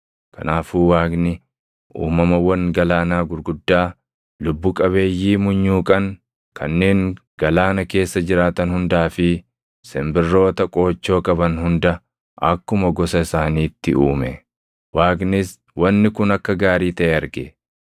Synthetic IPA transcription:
kɐnaːfuːwaːɡnɪ | ʔṵːmɐmɐwɐŋɡɐlaːnaːɡʊɾɡʊd̪ːaː | lʊbːʊkʼɐβe̞ːjːiːmʊɲːuːkʼɐŋ | kʰɐnːeːŋɡ̥ɐlaːnɐke̞ːsːɐd͡ʒɪɾaːt̪ɐnhʊnd̪aːfɪ | sɛmbɪrːo̞ːt̪ɐkʼo̞ːt͡ʃːo̞ːkʼɐbɐnhʊnd̪ɐ | ʔɐkːʊmɐɡɔsɐɪsaːniːt̪ːɪʔuːmɛ | waːɡnɪs | wɐnːɪkʊnɐkːɐɡaːɾiːt̪ɐʔɛɐɾɡḛ

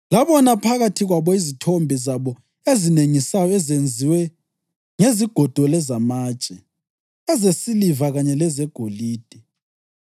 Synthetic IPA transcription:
laβɔnapʰaɣatʰiɣwaβɔizitʰombʱizaβɔ | ezineŋisajɔɛzend͡zʱiwɛ | ŋeziɡ̥ʱɔd̥ʱɔlɛzamaːt͡ʃʼɛ | ɛzesilivaɣaɲɛlɛzɛɡ̥ʱoliːd̥ʱɛ

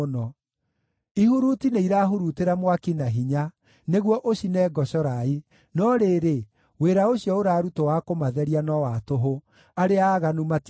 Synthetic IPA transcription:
nɔ | ihuɾutineiɾaːɦuɾuteɾamwakinaɦiɲa | neɣwɔʔoɕinɛɡɔɕɔɾai | nɔɾeːɾe | weːɾaoɕiɔoɾaɾutowakomaðɛɾianɔwatoɦo | aɾeaːɣanumat

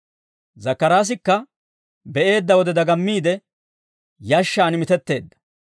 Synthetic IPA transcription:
zɐkːɐɾaːs̬ɪkːɐ | bɛʔe̞ːd̪ːɐwɔd̪ɛd̪ɐɡɐmːiːd̪ɛ | jɐʃːaːnɪmɪt̪ɛt̪ːe̞ːd̪ːɐ̥

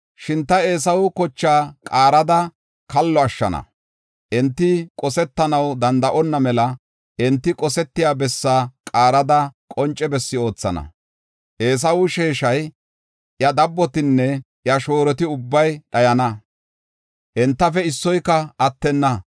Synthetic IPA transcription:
ʃɪnt̪ːɐe̞ːsɐwʊkɔt͡ʃːaːkʼaːɾɐd̪ɐ | kɐlːɔɐʃːɐ̰nɐ̰ | ʔɛnt̪ːɪkʼɔsɛt̪ːɐnɐwd̪ɐnd̪ɐʔɔnːɐmɛlɐ | ɛnt̪ːɪkʼɔsɛt̪ːɪjaːbɛsːaːkʼaːɾɐd̪ɐkʼɔnt͡ʃʼːɛbɛsːɪo̞ːt͡sːɐ̰nɐ̰ | ʔe̞ːs̬ɐwʊʃe̞ːʃɐj | ʔjɐd̪ɐbːɔt̪ɪnːɛ | jɐʃo̞ːɾɔt̪ɪʊbːɐjɗɐjɐnɐ | ʔɛnt̪ːɐfɛɪsːɔjkːɐɐt̪ːɛnːɐ

